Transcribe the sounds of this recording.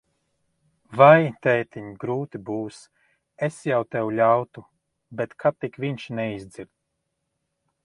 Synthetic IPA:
vajt̪ɛjt̪iɲɡɾuːt̪ibuːs | esjawt̪ɛwlʲawt̪u | bet̪kʰat̪ːikviɲʃnɛizd̪ziɾt̪̚

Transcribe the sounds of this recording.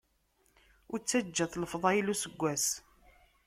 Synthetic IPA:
ʊɾt͡sːæd͡ʒːæθləfðˤɑjilusəɡʷːæs

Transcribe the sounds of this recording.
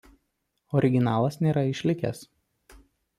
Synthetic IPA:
ɔɾʲɪɡʲɪnɑːlˠɐsnʲeːɾɐɪʃʲlʲɪkʲɛ̰s

